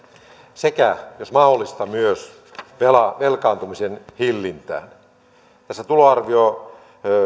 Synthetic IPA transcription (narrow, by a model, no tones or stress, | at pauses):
sekæjosmɑholːist̪ɑmyøs | ʋelɑʋelkɑːnt̪umisenhilːint̪æ̰ːn | t̪æsːæt̪uloɑrʋio